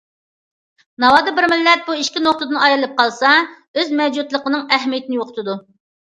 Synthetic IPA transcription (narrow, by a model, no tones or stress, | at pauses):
nɑwɑːd̪ɨbɪɾmɪlːɛt̪̚buiʃkʲinoχ̚t̪əd̪ɨnɑjɾlˠɨp̚qɑlˠsɑ | øzmɛd͡ʒut̪lˠəqənɨŋɛɦmijet̪ɪnɪjoqʰə̥t̪ʰɨd̪u